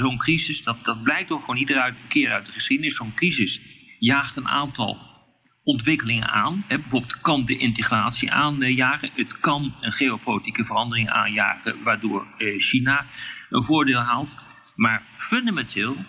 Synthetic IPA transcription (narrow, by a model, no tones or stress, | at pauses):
zownkrizɪsdɑtd̥ɑd̚blɛjk̚toχʋownidərtəkɪːɾœɥt̚dəχəsχidənɪsːownkrizɪsjaːχtəna̰ːntɑ̰lˠ | ɔntʋɪkəlɪŋə̰naːnɦɛbɛvʊːbɪlˠtkɑndəʔɪntəχraːtsiʔaːnjaːχənətkɑnənχeopolitikəvərɑndərɪŋa̰ːnja̰ːχə̰ʋaːɹdʊːɹʃinaənvʊːɹdɪːlˠɦaːlˠt | maːɹfɵndamɛntʰɪːlˠ